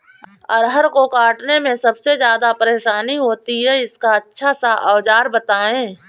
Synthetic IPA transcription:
ɔːɾɦɐɾkokaːʈnemẽsɐbsezjaːd̪apəɾeːʃaːniɦoːt̪iɦɛɪskaɐtːʃʰasaʔa̰ːʋd͡ʒaːɾbət̪aːẽː

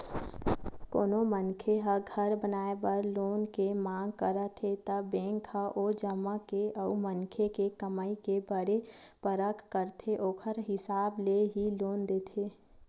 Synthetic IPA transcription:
koːnomənkʰeɦəɡʱəɾbənaːebəɾloːnkemãːŋɡkəɾət̪ʰet̪əbɛ̃ːŋkʰaʔoːd͡ʒəmːakeʔəumənkʰekekəməikebəɾepəɾəkʰkəɾt̪ʰeʔoːkʰəɾɦɪsaːbleɦiloːnd̪eːt̪ʰeː

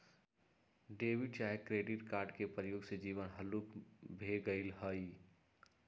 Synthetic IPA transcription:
ɖeːʋiɖt͡ʃaːekɾeːɖiʈkaːɾɖkepɾəjoːɡsed͡ʒiːʋənɦəlukbʱeɡəɪlɦəi

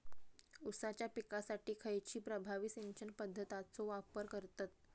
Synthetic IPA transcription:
usat͡ɕjapikasaʈiːkʰəjt͡ɕiːpɾəbʱaʋiːseɲt͡ɕənpəd̪ʱːət̪at͡soʋapəɾkəɾt̪at̪̚

